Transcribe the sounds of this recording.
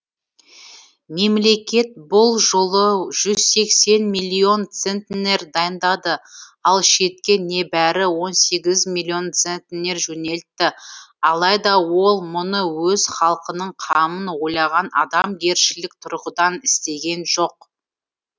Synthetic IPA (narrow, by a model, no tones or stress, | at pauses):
me̞mle̞kʲe̞t̪̚bʊlˠʒolˠəʒ̥ʏz̥se̞kse̞nmilʲːio̞nt̪sent̪ne̞ɾd̪ɑjənd̪ɑd̪əɑlˠʃe̞t̪̚kʲe̞ne̞bæɾɪwo̞nse̞ɡʲɪzmilʲːio̞nt̪sent̪ene̞ɾʒɵne̞lt̪ːɪɑlˠɑjd̪ɑwo̞lˠmʊnəwɵz̥χɑlˠqənəɴqʰɑmənwo̞jlˠɑʁɑnɑ̰d̪ɑmɡʲe̞ɾʃɪlɪk̚t̪ʰʊɾʁəd̪ɑnɪst̪e̞ɡʲe̞nʒo̞q